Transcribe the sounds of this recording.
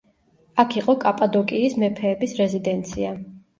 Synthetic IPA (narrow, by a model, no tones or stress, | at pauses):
akʰiqʼɔkʼapʼad̪ɔkʼiːsmɛpʰɛːbisɾɛzid̪ɛnt̪sʰia